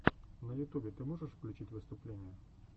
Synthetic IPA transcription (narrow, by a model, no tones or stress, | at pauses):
nəjʊt̪ubʲɪt̪ɨmoʐɨʂfklʲʊt͡ɕitʲvɨst̪ʊplʲenʲɪjə